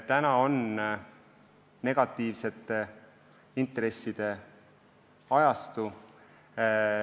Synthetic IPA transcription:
t̪ænɑo̞n | ne̞ɡ̥ɑt̪ːˑiːvse̞t̪ːˑe | int̪re̞sːid̪̥e̞ | ɑjɑst̪u

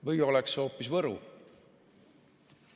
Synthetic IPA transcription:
vɤjo̞lekso̞ːpːisvɤɾṵ

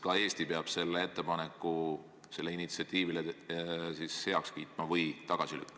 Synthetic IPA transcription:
kɑe̞ːst̪ipeɑb̥se̞lːee̞t̪ːe̞pɑne̞kːˑu | se̞lːeinit̪siɑt̪ʲːiːvilesishe̞ɑkskiːt̪ˑmɑvɯjt̪ɑɡ̥ɑsily̰kːˑ

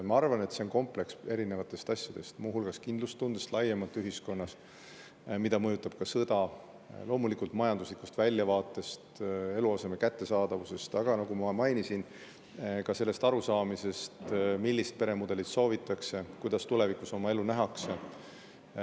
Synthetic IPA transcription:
mɑɑrvɑne̞t̪se̞o̞nko̞mple̞kse̞ɾine̞vɑt̪ːˑe̞st̪ɑsʲjɑd̪̥e̞̰st̪muːɦulɡ̥ɑskind̪lust̪ːund̪̥est̪lɑjemɑt̪ːˑyɦisko̞nːɑs | mid̪̥ɑmɤjut̪ːˑɑb̥̚kɑsɤd̪̥ɑ | lo̞ːmulikult̪mɑjɑnd̪uslikːu̥st̪vælʲjɑvɑːt̪ˑːe̞st̪e̞luɑse̞mekæt̪ːe̞sɑːd̪̥ɑvuse̞st̪ɑɡ̥ɑnɑɡ̥umɑmɑjnisin | kɑse̞lːe̞st̪ɑɾusɑːmise̞st̪milʲːist̪̚pe̞ɾe̞mud̪̥e̞lit̪so̞ːvit̪ːˑɑkse̞kujd̪̥ɑst̪ule̞vikuso̞mɑe̞lːunæɦɑkse

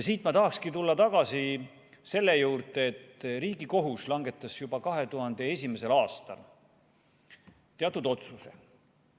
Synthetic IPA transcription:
siːt̪mɑt̪ɑɦɑkskit̪ulːɑt̪ɑɡ̥ɑsi | se̞lːe̞juːrd̪eet̪ːriːɡ̥iko̞ɦuslɑŋɡe̞t̪ˑːɑsjub̥ɑkɑɦe̞t̪uɦɑnd̪̥e̞e̞sʲimese̞lɑːst̪ɑ̰l | t̪eɑt̪ud̪o̞t̪suse

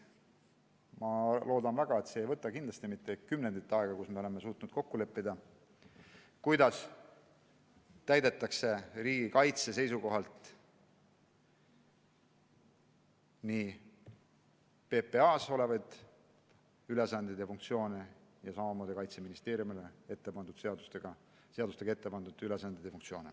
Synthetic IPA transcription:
mɑlo̞ːd̪̥ɑnvæɡ̥ɑe̞t̪seːjvɤt̪ːˑɑkind̪lɑst̪imit̪ːe̞kymnend̪it̪ːˑɑeɡ̥ɑkusme̞o̞le̞mesuːt̪ːˑnud̪̥̚ko̞kːule̞pːid̪̥ɑ | kujd̪̥ɑs | t̪æjd̪e̞t̪ːˑɑkse̞ɾiːɡ̥ikɑjt̪se̞se̞jsuko̞ɦɑlt̪ | ni | pe̞pe̞ɑːso̞le̞vɑjd̪̥ | yle̞sɑnd̪id̪efuŋk̚t̪sio̞ːnejɑsɑmɑmoːd̪̥ikɑjt̪se̞minist̪e̞ːɾjumileet̪ːˑepɑnd̪ud̪seɑd̪ust̪eɡ̥ɑ | seɑd̪ust̪eɡ̥ɑe̞t̪ːepɑnd̪ud̪ylesɑnd̪̥id̪̥efuŋkt̪sio̞ːne

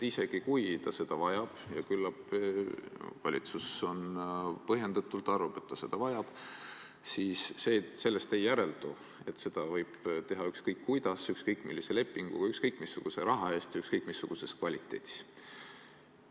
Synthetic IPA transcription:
ise̞ɡ̥ikujt̪ɑse̞d̪̥ɑvɑjɑb̥jɑkylːɑb̥ | vɑ̰lʲit̪suso̞npɤɦje̞nd̪ɑt̪ːˑult̪ːˑɑrvɑb̥e̞t̪ːɑse̞d̪̥ɑvɑjɑb̥ | siːsːeːse̞lːe̞st̪e̞jːæɾe̞ld̪u | e̞t̪ːse̞d̪̥ɑvɤjb̥t̪e̞ɦɑykskɤjkːujd̪ɑsykskɤjkːˑmilːise̞le̞pːˑiŋɡ̥ṵkɑykskɤjkːˑmisːuɡ̥use̞ɾɑɦɑe̞ːst̪jɑykskɤjkːˑmisːuɡ̥use̞skvɑlʲit̪ːˑe̞ːd̪̥i̥s

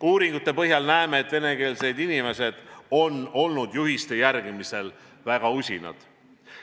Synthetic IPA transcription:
uːɾiŋɡ̥ut̪ːˑe̞pɤɦjɑlnæemeːt̪ːˑv̥e̞ne̞ke̞ːlse̞jd̪inime̞se̞d̪̥o̞no̞lnud̪̥juɦist̪e̞jærɡ̥imise̞l | væɡ̥ɑusʲinɑ̰d̪̥

